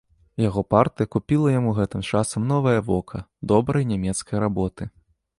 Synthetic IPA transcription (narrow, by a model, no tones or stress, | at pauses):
jaɣɔpart̪ɨjɐkupʲilˠɐjamuɣɛt̪ɨmt͡ʂasɐmnɔvɐjɐvɔkʰɐd̪ɔbɾɐjnʲamʲɛt̪skɐjɾabɔt̪ɨ